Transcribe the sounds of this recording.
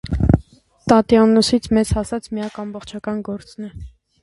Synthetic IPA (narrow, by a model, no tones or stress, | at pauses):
t̪ɑt̪jɑnːusit͡sʰmɛt͡shɑsɑt͡sʰmijɑkɑmbɔχt͡ʃʰɑkɑnɡɔɾt͡snɛ